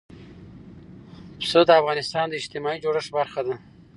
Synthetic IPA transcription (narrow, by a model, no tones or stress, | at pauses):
psod̪əafɣɑnɪst̪ɑnd̪əɪd͡ʒt̪ɪmɑid͡ʒoɽəʂbaɾxad̪a